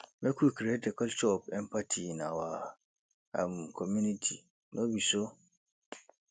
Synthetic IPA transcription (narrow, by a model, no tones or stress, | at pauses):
bɛkʰukɾetɛkɔlt͡ʃɔpɛmpatʰinawa | a̰mkʰɔmũnitʰi | nobiso